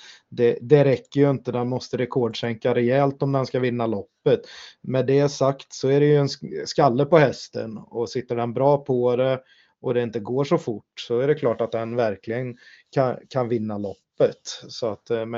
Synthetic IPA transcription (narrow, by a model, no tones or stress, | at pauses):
d̪ɛd̪ɛɾɛkːəjɵɪnt̪əd̪ɛnmɔst̪əɾɛkʰɔːɖʂɛŋkaɾɛjɛlt̪ɔmd̪ɛnskavɪnːalɔpːət̪mɛd̪ɛæʂakt̪sɔæɾɛjɵɛnskalːəpɔhɛst̪ə̰nɔsɪt̪ːəɖɛnbɾɑːpʰɔd̪ɛ | ʔɔd̪ɛɪnt̪əɡoːʂɔfʊʈːsɔæɖɛkʰlɑːʈat̪̚d̪ɛnvæɾklɪɡənkʰakʰanvɪnːalɔpːət̪sɔat̪mɛ